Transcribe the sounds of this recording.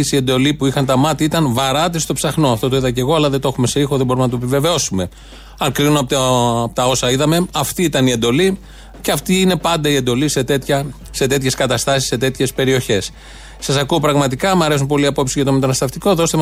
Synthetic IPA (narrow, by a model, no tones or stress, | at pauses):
sie̞nd̪o̞lipuixɐnt̪ɐmɐt̪iit̪ɐnvɐɾɐt̪ist̪o̞psɐxno̞ɐft̪o̞t̪oiðɐce̞ɣo̞ɐlɐðet̪oe̞xume̞sixoðebo̞ɾumenɐt̪oepive̞ve̞o̞sume̞ | ɐŋkɾinunoɐp̪pot̪ɐo̞sɐiðɐme̞ɐft̪iit̪ɐnie̞nd̪o̞li | ceɐft̪iine̞pɐnd̪ɐie̞nd̪o̞lise̞t̪et̪çɐ | se̞t̪e̞t̪çe̞skɐt̪ɐst̪ɐsi̥sːe̞t̪e̞t̪çe̞spe̞ɾio̞çe̞s | sɐsɐkuopɾɐɣmɐt̪̬ikɐmɐɾes̬unpo̞liɐpo̞psiʝɐt̪o̞me̞t̪ɐnɐst̪ɐft̪iko̞ðo̞st̪em